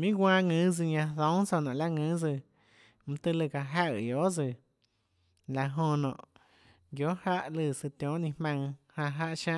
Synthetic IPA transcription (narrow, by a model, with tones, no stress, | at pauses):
mĩ˦ɡʷãː˧ŋɨ̃˨˦d͡zɨ˧ɲã˧ðõ˨˦ŋt͡so˧˨nɔ̃˨la˦ŋɨ̃˨˦d͡zɨ˧˨ | mũ˧t̪ɨ˧lɨ˧˨ka˨ɦa˧˨jo˨˦d͡zɨ˧˨ | la˧ɦõ˧nɔ̰̃˨ʔ | ɡjo˨˦ha˦ʔlɨ˧˨sɨ˧t̪jõ˨˦ʔnĩ˧hmã˧ŋhã˧ɦa˦ʔʃã˦